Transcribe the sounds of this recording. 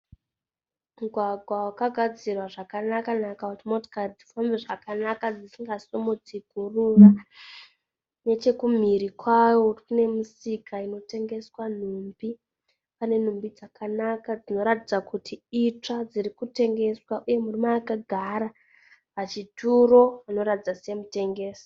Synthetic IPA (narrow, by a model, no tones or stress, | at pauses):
muɡʱwaɡʱwawakaɡʱad͡zirwaʐakanakanakakutimoto̥kad͡zifombeʐakanakad͡zisiŋɡasomud͡ziɡʱurura | ne̞t͡ʃe̞kum̤iɾikwawo̞une̞musikʰaino̞te̞ŋɡe̞swan̤uːmbi | pane̞n̤umbid͡zakʰanakad͡zino̞ɾatid͡zakutʰiit͡ʂad͡ziɾikute̞ŋɡe̞swaʔuje̞murimaːkaɡʱaɾa | pat͡ʃituɾo̞ano̞ɾatid͡zasemute̞ŋɡe̞ːsi̥